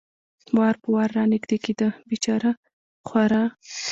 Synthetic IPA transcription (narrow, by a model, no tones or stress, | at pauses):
wɑɾpəwɑɾːɑnɪɡd̪eked̪əbit͡ʃɑɾə | χwaɾɑ